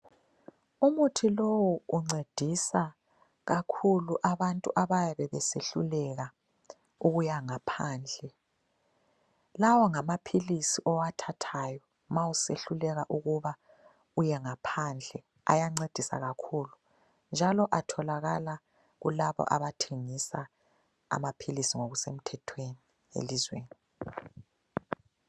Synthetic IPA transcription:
umutʰilowuːŋ͡ǀed̥ʱisa | ɣakʰuluʔaβantʼṵʔaβajaβɛβɛseɬulɛɣa | uɣujaŋapʰaːnd͡ɮʱɛ | lawɔŋamapʰilisiʔɔwatʰatʰajɔ | mawuseɬulɛɣaʔuɣuβa | ujɛŋapʰand͡ɮʱɛ | a̰jaŋ͡ǀed̥ʱisa̰ɣakʰuːlu | nd͡ʒʱalɔʔatʰɔlaɣala | ɣṵlaβɔ̰ʔa̰βatʰeŋisa | a̰mapʰilisiŋoɣusem̩tʰɛtʰweni | ḛlizweːni

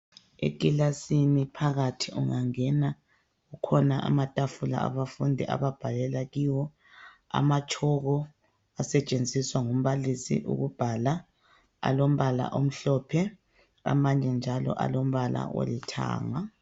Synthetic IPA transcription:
ḛkʼilasinipʰaɣatʰiʔuŋaŋɛna | ɣukʰɔnaʔa̰matʼafula̰aβafundʱiʔa̰βab̥ʱalɛlaɣiwɔ | a̰mat͡ʃʰʼɔɣɔ | asɛt͡ʃʼend͡zʱiswaŋum̩βalisḭʔṵɣub̥ʱala | a̰lom̩βala̰ʔom̩ɬɔːpʰɛ | a̰maɲɛnd͡ʒʱalɔ̰ʔa̰lom̩βala̰wo̰litʰa̰ːŋa

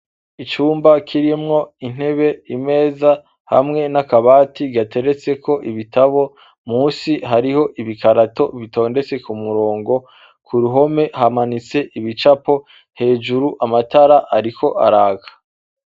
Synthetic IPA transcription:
it͡ʃuːmbakʰiɾimŋo̞in̥he̞βe̞ime̞ːza | ha̰mŋe̞nakaβaːtiɡate̞ɾe̞t͡se̞kʰo̞ʔiβitaβo̞ | muːsiɦaɾiho̞ʔiβikaɾato̞βito̞ːnde̞t͡se̞kumuɾo̞ːŋɡo̞ | kʰuɾuɦo̞me̞ɦamanit͡se̞ʔiβit͡ʃapo̞ | he̞ːd͡ʒuɾuʔamataɾaʔaɾikʰo̞ʔa̰ɾaːkʰḁ

